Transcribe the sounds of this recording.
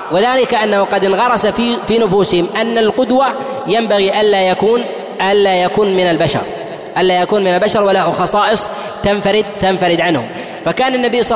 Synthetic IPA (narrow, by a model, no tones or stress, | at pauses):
wɪðaːlɪkaʔanːahʊqɑd̪ɪnɣɑɾˤɑsafifiːnʊfuːsɪhɪmʔanːalqʊd̪wa | jambaɣiʔanlaːjakuːn | ʔanlaːjakuːnmɪnalbaʃɑ̰ɾˤ | ʔanlaːjakuːnmɪnalbaʃɑɾˤwalahʊxɑsˤɑːʔɨsˤ | t̪anfaɾɪd̪̚t̪anfaɾɪd̪ʕanhʊ̰m | fakaːnanːabiːsˤɑ